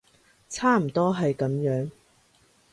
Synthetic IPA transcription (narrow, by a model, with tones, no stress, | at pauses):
t͡sʰaː˥m̩˨˩t̪ɔː˥ɦɐ˨jkɐ˨˥mjœː˨˥ŋ